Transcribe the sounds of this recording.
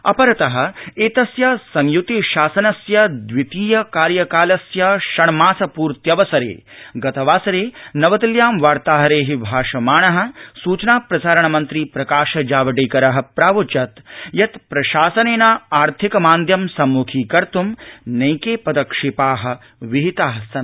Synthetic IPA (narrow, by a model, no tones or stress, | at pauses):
ɐ̰pɐɾɐt̪ɐɦɐ̆eːt̪ɐsjɐsɐŋjut̪iʃaːsɐnɐsjɐd̪ʋit̪iːjɐkaːɾjɐkaːlɐsjɐʃɐɳmaːsɐpuːɾt̪jɐʋɐsɐɾḛːɡɐt̪ɐʋaːsɐɾeːnɐʋɐt̪ɐljaːmʋaːɾt̪aːɦɐɾeːɦibʱaːʂɐmaːɳɐɦɐ̆suːt͡ʃnaːpɾɐsaːɾɐɳɐmɐnt̪ɾiːpɾɐkaːʃɐd͡ʒaːʋɐɖeːkɐɾɐɦɐpɾaːʋut͡ʃɐt̪jɐt̪pɾɐʃaːsɐneːnaːaːɾt̪ʰikɐmaːnd̪ʱjɐmsɐmːuːkʰiːkɐɾt̪umnɐjkeːpɐd̪ɐkʂipaːɦɐ̆ | ʋiɦit̪aːɦɐsɐn